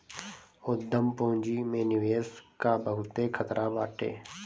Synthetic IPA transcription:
ʊd̪ːəmpõːnd͡ʒiːmẽːnɪʋeːskaːbəɦʊt̪ekʰət̪ɾʔaːbaːʈʰḛː

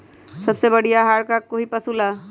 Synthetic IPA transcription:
sɐbsebɐɽijaɦaːɾkakoɦipəsula

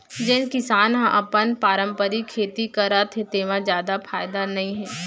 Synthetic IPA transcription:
d͡ʒenkɪsaːnɦãʔɐpənpaːɾə̃mpəɾikʰeːt̪ikɐɾat̪ʰet̪eːʋãzjaːd̪afʰaːjd̪anɐɦĩɦɛː

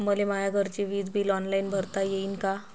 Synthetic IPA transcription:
məlemajaɡʱəɾt͡ɕeʋiːd̪bʱiːlɔnlainbʱəɾt̪ajeiːnka

